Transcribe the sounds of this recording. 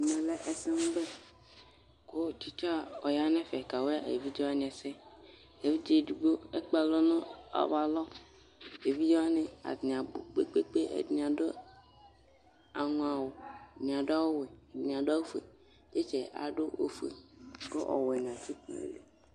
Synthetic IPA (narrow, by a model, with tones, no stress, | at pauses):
mɛ̃˨lɛ˦ʔɛ˨sɛ˦ŋũ˦be˦ | ko˦t͡ʃi˦t͡ʃa˦ɔ˨ja˦ne˦fɛ˨ka˨we˦a˦˨ḛ˨vi˦d͡ʒe˦wa˦ɲ̃˨ɛ˨sɛ˦ | e˨vi˦d͡ʒe˦˨du˨ɡ͡bo˦e˦k͡pa˨lɔ˦nɔ̃˦a̰˨va˨lɔ˦ | e˨vi˦d͡ʒe˦a˦nẽ˦a̰˨dɲ˨a˨bo˨k͡pe˦k͡pe˦k͡pe˦ʔḛ˨dɲ˨ã˨ɖo˦ | a˨ŋũ˨a˨wo˨ɲ˨ã˨ɖa˦wo˦we˨dã˨ɖa˦wo˦fḛ˨ | de˦t͡ʃe˨a̰˨ɖo˦o̰˦fḛ˨ko˦ʔɔ̰˨wɛ˨ɲ̃˨ã˨ti˦k͡pɔ̰̃˨ḛ˨lḛ˨